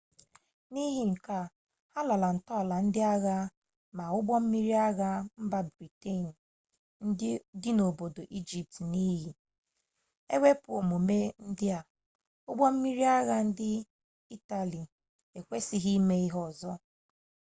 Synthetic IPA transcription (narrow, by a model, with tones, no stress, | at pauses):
ni˦ɦɪ˨ŋ̩˨ka˦ | ha˦la˨la˨n̩˨tɔ˦˨la˨n̩˦dɪ˦a˦ɣa˦ | ma˨ʊ˦ɡ͡bɔ˦m̩˦mi˦ɾi˦a˦ɣa˦m̩˦ba˦bɾi˨te˦˨n̩˨ | n̩˦dɪ˦no˨bo˨do˨ʔi˦d͡ʒi˨p̚tni˦ɦi˨ | ḛ˦wʷe˦pʊ˨o˨mo˨me˦n̩˦dɪ˦a˨ | ʊ˦ɡ͡bɔ˦m̩˦mi˦ɾi˦a˦ɣa˦n̩˦dɪ˦ | i˦ta˨li˨ | e˨kʷe˦si˦ɦi˦me˦i˦ɦɔ˦˨zɔ˦